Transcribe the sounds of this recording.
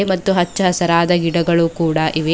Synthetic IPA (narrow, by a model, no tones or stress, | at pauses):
mɐt̪ːuɦɐt͡ʃːɐɦɐsɐɾaːd̪ɐɡiɽɐɡɐɭuːkuːɽɐʔiʋe